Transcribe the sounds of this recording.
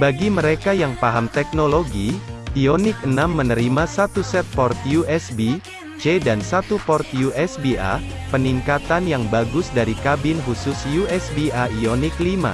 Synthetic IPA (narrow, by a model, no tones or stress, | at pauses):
baɡiməɾekajaŋpaɦamt̪ɛk̚noloɡiionɪk̚ənamːənəɾimasat̪usɛt̪̚pɔrt̪juʔɛsbi | t͡ʃedansat̪upɔrt̪juʔɛsbia̰pəniŋkat̪anjaŋbaɡʊsdaɾikabɪnɦusʊsjuɛsbiaionɪklima̰